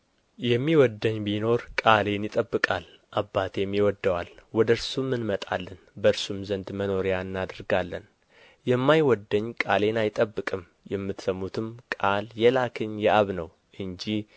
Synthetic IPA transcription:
jɛmːiwɔd̪ːəɲːbino̞ɾkʼale̞njɪt̪ʼəbːɨkʼal | ʔabːat̪jɛmːiwɔd̪ːəwalwɔd̪əɾsumːɨnmət̪ʼa̰lːənbəɾsumzənd̪məno̞ɾejaɨnːad̪ɨɾɡalːən | jɛmːajwɔd̪ːəɲːkʼale̞najt̪ʼəbːɨkʼɨm | jɛmːɨt̪səmːut̪ʰɨmkʼaljɛlakʰɨɲjɛaβnəw | ʔɨnd͡ʒi

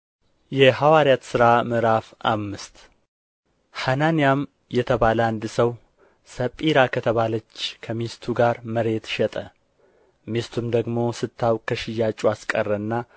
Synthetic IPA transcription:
jɛhawaɾjat̪sɨɾamɨɾafʔa̰mːɨst̪ | hananijam | jɛt̪ʰəβaləand̪ɨsəw | səpʼːiɾakʰət̪ʰəβalət͡ʃːkʰəmest̪ʰuɡaɾməɾe̞t̪ʃɛt̪ʼə | mest̪ʰumd̪əɡmo̞sɨt̪ʰːawkʰəʃɪjːat͡ʃʼuaskʼərːəɨnːa

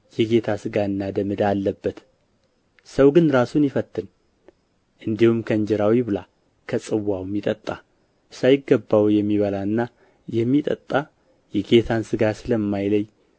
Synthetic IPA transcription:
jɛɡe̞t̪ʰasɨɡaɨnːad̪əmɨd̪aːlːəbːət̪ | səwɡɨnɾasunjɪfət̪ːɨn | ʔɨnd̪ihumkʰəɨɲd͡ʒɛɾawiβɨla | kʰəsʼɨwːawmjit̪ʼət̪ʼːa | sajɪɡːəbːawjɛmːiβəlaɨnːa | jɛmːit̪ʼət̪ʼːa | jɛɡe̞t̪ʰansɨɡasɨləmːajləj

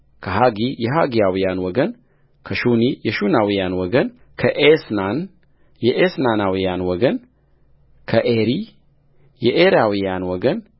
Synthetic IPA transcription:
kʰəɦaɡijɛɦaɡijawijanwɔɡən | kʰəʃunijɛʃunawijanwɔɡən | kʰəʔesnan | jɛʔesnanawijanwɔɡən | kʰəʔeɾi | jɛʔeɾawijanwɔɡən

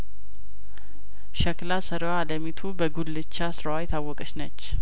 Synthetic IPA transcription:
ʃəklasəɾwaləmit̪ʰubəɡulːɨt͡ʃːasɨɾawajɛt̪ʰawːɔkʼət͡ʃnət͡ʃː

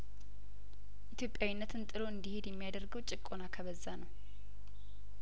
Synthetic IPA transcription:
ʔit̪jo̞pʼːjawinːət̪ʰɨnt̪ʼɨlo̞ɨnd̪ihed̪jɛmːijad̪əɾɡəwt͡ʃʼɪkʼːonakʰəβəzːanəw

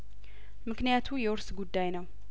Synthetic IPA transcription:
mɨknijat̪ʰujɛwɔɾsɡud̪ːajnəw

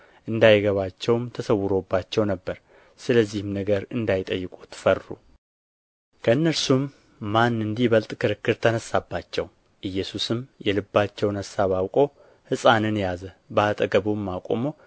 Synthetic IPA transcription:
ʔɨnd̪ajɡəβat͡ʃːɛwmt̪ʰəsəwːɨɾo̞bːat͡ʃːɛwnəbːəɾ | sɨləzːihmnəɡəɾɨnd̪ajɪt̪ʼəjːɪkʼut̪ʰfərːṵ | kʰəɨnːəɾsumː | anːɨnd̪ibəlt̪ʼkʰɨɾɨkːɨɾt̪ʰənəsːabːat͡ʃːɛw | ʔɨjːɛsusɨmjɛlɨbːat͡ʃːɛwnəsaβawkʼo̞ | hɨsʼanɨnjazəbəat̪ʼəɡəβumːakʼomo̞

